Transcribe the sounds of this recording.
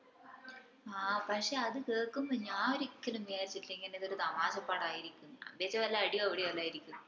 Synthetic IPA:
aːpɐkʂe̞ːɐðɨkeːɻkːumbɐɲaːoɾikʲːɐlumʋijaːɾit͡ɕːiʈːlːɐeŋɡɐneðoɾud̪ɐmaːɕɐpːaːɽaːjiɾikʲːumɐ̰beːt͡ɕːɐʋɐlːɐɐɽijɐʋɐɽiɐlːaːjiɾikʲːum

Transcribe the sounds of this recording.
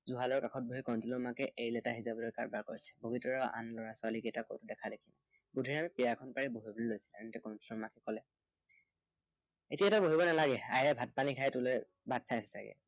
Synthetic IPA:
zuɦalɔɹkakʰɔt̚boɦikɔnzilɔmakɛʔejlɛtaɦizabɔlɔjkaɹbaɹkoɹisɛ̥boɡitɔɹɔa̰nlɔɹasʊaliketako̰wtʊdɛkʰadekʰina̰ | budʱiɹamipijakʰɔnpaɹiboɦibolilojsi̥lanitɛkɔnzilɔɹmakɛkɔlɛ | etiaɛtaboɦibɔnalaɡɛa̰jɛɹɛbʱat̚panikʰajɛtʊlɛ | badsʰajsɛ̥saɡɛ̰

